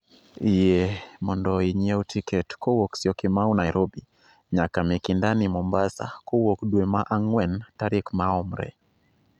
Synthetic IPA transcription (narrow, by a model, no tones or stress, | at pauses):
ijɛmɔndɔiɲiautʰikɛtkɔwɔksiɔkimaunajɾʔɔbi | ɲakamekindanimɔmbasa̰kɔwɔkɗwɛmaʔaŋwɛntaɾikmaɔmɾɛ̰